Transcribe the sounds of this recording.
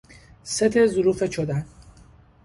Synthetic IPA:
set̪ʰezʊɾuːfet͡ʃʰod̪æn

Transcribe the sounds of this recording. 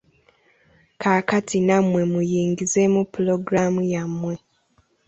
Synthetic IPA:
kʰaːkatʰinamwe̞mujiːŋɡize̞mupulo̞ɡɾamujamːwe̞

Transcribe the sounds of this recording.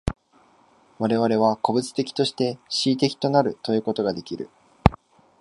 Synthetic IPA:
βaɾe̞βaɾe̞β̞ako̞bɯ̟t͡sɨ̥t̪e̞kʲi̥t̪o̞ɕi̥t̪e̞ɕiːt̪̬e̞kʲi̥t̪o̞naɾɯ̟t̪o̞jɯ̟ːko̞t̪o̞ɡad̪e̞kʲiɾɯ̟

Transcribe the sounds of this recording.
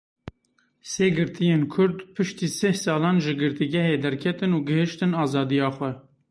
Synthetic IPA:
seːɡɨɾt̪ʰijeːnkʰʊɾd̪pʰɨʃt̪iːsehsɑːlɑːnʒɨɡɨɾt̪iɡɛɦeːd̪ɛɾkʰɛt̪ɨnuːɡɨhɨʃt̪ɨnɑːzɑːd̪ijɑːxʷɛ

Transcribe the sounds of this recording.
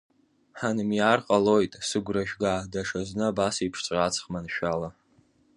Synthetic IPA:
ħanɨmjaːrqʼalo̞jtʼsɨɡʷraʒᶣɡadaʂaznɨabasipʰʂt͡sʷʼat͡sʰχmanʃᶣala

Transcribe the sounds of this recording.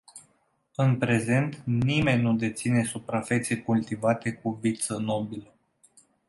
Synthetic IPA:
ɨnpɾe̞ze̞nt̪nime̞nʲnːud̪e̞t̪sine̞supɾafe̞t̪sekult̪ivat̪e̞kuvit̪səno̞bilə

